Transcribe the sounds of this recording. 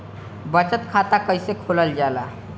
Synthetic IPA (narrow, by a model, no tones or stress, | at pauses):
bət͡ʃət̪kʰat̪akəjsekʰoləld͡ʒala̰